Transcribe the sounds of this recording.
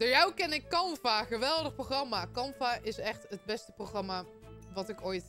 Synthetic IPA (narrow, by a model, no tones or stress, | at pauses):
d̥əɹjawkɛnɪkːɑmfaχəʋɛlˠdəxproχrɑmakɑmfaʔɪsɛxtəd̚bɛstə̥proχrɑma | ʋɑtɪkojt